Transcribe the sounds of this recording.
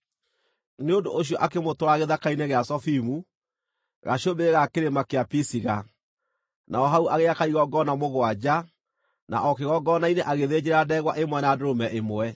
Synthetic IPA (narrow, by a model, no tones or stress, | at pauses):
neondooɕ̬jɔʔakemotwɾaɣeðakaineɣeasɔfimu | ɣa̰ɕobeɣakeɾemakeapisiɣa | naɔɦauʔaɣeakaiɣɔɡɔnamoɣwad͡ʒa | na̰ʔɔkeɣɔɡɔnaineʔaɣeðed͡ʑeɾadɛɣwaʔemwɛnadoɾomɛʔemoɛ